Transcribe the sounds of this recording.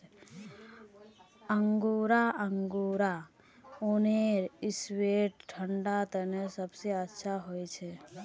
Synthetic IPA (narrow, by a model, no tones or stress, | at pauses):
əŋɡuɾaʔəŋɡuːɾa | oneɾisweʈʈʰəɳɖat̪ənesəbseətːʃʰaɦojt͡ʃʰe